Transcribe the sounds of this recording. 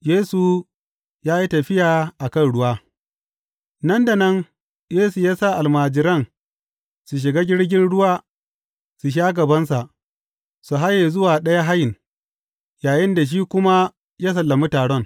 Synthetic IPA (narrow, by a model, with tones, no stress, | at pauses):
jeː˦su˨ | jaː˦ji˦tɐ˨ɸɪ˦jaː˨ʔa˨kɐ˦nɽʊ˦waː˦ | nɐ˦nda˨nɐ˦n | jeː˦su˨jaː˦sa˦˨ʔa˨lmaː˨d͡ʒɪ˨ɾɐ˦n | su˨ʃ̬ɪ˨ɡaː˦ɡʲɪ˦ɽɡʲɪ˦nɽʊ˦waː˦ | su˨ʃ̬aː˦ɡɐ˨bɐ˦ns̬a˨ʔ | su˨ɦa˦jeː˨zʊ˦waː˨ɗɐ˦ja˦ɦa˦jɪ˨n | jaː˨jɪ˦nda˨ʃ̬iː˦kʷʊ˦ma˦ | jaː˦s̬ɐ˨lːɐ˨mu˦taː˨ɽɔ˦ŋ